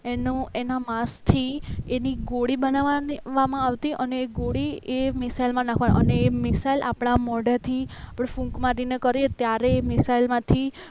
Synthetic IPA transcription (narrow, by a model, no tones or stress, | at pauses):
enũenamast̪ʰieniɡoɽibənaʋaʋːamãaʋt̪iʔəneːɡoɽiemɪsailmãnakʰʋan̰ʔəneːmɪsailʔapɳ̃amɔɖat̪ʰiapɽfũŋkmaɾinekəɾet̪jaɾeːmɪsailmãt̪ʰi